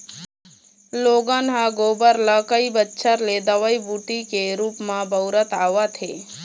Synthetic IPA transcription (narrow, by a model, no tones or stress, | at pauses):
loːɡanɦaɡoːbəɾlakəibətːʃʰəɾled̪əʋəibuʈikeɾuːpmãbəwɾət̪aːʋat̪ʰe